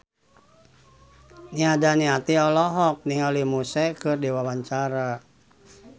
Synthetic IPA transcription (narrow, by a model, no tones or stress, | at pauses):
niadaniat̪iɔlɔɦɔk̚niŋalimusɛkɨrdiwawaɲt͡ʃaɾa